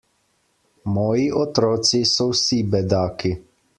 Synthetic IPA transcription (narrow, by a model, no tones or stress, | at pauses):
mɔːjiʔɔt̪ɾɔːt̪sisɔwsibɛd̪aːki